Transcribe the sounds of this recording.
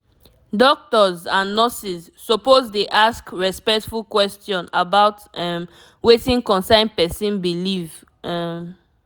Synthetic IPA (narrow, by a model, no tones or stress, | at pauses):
dɔk̚tɔzãnːɔsiz | sɔpozdeʔaskɹɛspɛktfulkwɛstjɔ̃nabaʊtɛm | wetĩŋkɔ̃nsãɪ̃npɛsĩnbiliv | ɛm